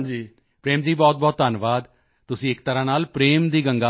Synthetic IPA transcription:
d͡ʒiː | pɾeːmd͡ʒiːbɔːt̪̚bɔːt̪ːaːnʋaːd̪ | t̪ʊsĩːɪkt̪əɾãːnaːlpɾeːmd̪iːɡəŋɡaː

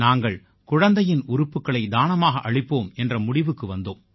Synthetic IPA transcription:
naːŋɡɐɭ | kʊɻɐnd̪ɐjɪnʊɾʊpːɯkːɐɭɐɪd̪aːnɐmaːɣɐʔɐɻɪpːoːmɛndrɐmʊɽɪʋɯkːɯʋɐnd̪oːm

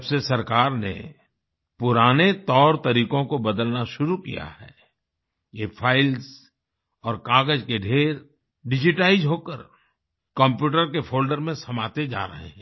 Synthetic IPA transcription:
bsesɐɾkaːɾnḛ | pʊɾaːnet̪ɔːɾt̪ɐɾiːkõkobɐd̪əlnaʃʊɾukḭja̰hɛː | jepʰaːɪlz | ɔːɾkaːɡəd͡ʒkeɖʱeːɾ | ɖɪd͡ʒɪʈaːɪzɦoːkəɾ | kə̃mpjuːʈəɾkepʰoːlɖəɾmẽsɐmaːt̪ed͡ʒa̰ːɾɐ̰ɦḛɦɛ̃ː

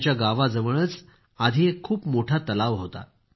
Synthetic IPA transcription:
t͡ɕjaɡaʋad͡zəʋəɽ̃ət͡s | ad̪ʱiekʰːuːpmoʈʰat̪əlaʋɦot̪a̰

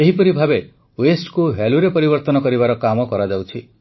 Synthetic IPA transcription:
eɦipɔɾibʱabe | wesʈkuɦeluɾepɔɾibɔɾt̪ɔnɔkɔɾibaɾɔkamɔkɔɾad͡ʒawt͡ʃʰi

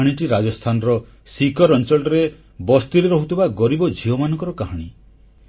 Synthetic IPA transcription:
ɽ̃iʈiɾad͡ʒɔst̪ʰanɔɾɔ | sikɔɾɔnt͡ʃɔɭʈɔɾe | bɔst̪uɾeɾɔɦut̪ʰibaɡɔɾibɔd͡ʒʱiɔmanɔŋkɔɾɔkaɦaɽ̃i

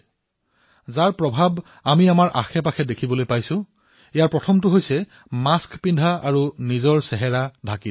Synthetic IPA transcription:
zaɹpɹɔbʱab | amiamaɹʔa̰xɛp̬axɛdekʰibɔlojpajsʊ̃ | ijaɹpɹɔtʰɔmtʊɦojsɛ | maskpindʱaaɹunizɔɹsɛɦɛɹadʱakit

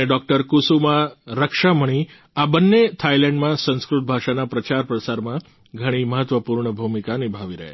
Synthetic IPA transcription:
eɖɔk̚ʈəɾkusumãɾəkʃaməɽ̃i | abənːet̪ʰailɛ̃ɳɖmãsə̃nskɾut̪̚bʱaʃanapɾət͡ʃaɾpɾəsaɾmã | ɡʱəɽ̃iməɦət̪ʋəpuɾɳəbʱumikanibʱaʋiɾəɦḛ

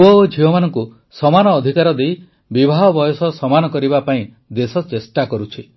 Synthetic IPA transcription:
ɔod͡ʒʱiwɔmanɔŋku | sɔmanɔːd̪ʱikaɾɔd̪ej | bibʱaɦɔbɔjɔsɔsɔmanɔkɔɾibapaĩ | d̪esɔt͡ʃesʈakɔɾut͡ʃʰi

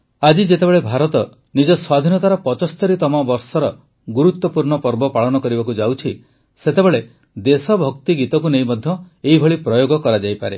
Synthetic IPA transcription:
ad͡ʒid͡ʒet̪ebeɭebʱaɾɔt̪ɔ | nid͡ʒɔswad̪ʱinɔt̪aɾɔpɔt͡ʃɔst̪ɔɾit̪ɔmabɔɾsɔɾɔ | ɡuɾut̪ːɔpuɾɳɔpɔɾbɔpaɭɔnɔkɔɾibakud͡ʒawt͡ʃʰi | set̪ebeɭe | d̪esɔbʱɔkt̪iɡit̪ɔk̬unejmɔd̪ʱjɔ | eibʱɔɭipɾɔjoɡɔkɔɾad͡ʒajpaɾḛ

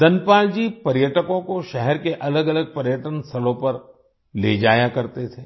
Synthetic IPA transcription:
d̪ɐnpaːld͡ʒiːpɐɾjəʈəkõkoʃɛɦɛɾkeʔɐləɡɐləɡ̚pɐɾjəʈənsʰɐlõpɐɾ | lḛːd͡ʒaːjakɐɾt̪et̪ʰeː

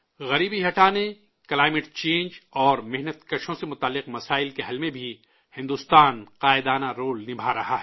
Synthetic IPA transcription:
ɣɐɾiːbiɦɐʈaːne | kɐlaːɪmɪʈt͡ʃẽːnd͡ʒɔːɾmɪɦnət̪kɐʃõsemʊt̪aːlːɪqmɐsaːɪlkeɦɐlmẽbʱi | hɪ̃nd̪ust̪aːnqaːɪd̪aːnaɾoːlnɪbʱaɾɐɦaɦɛː

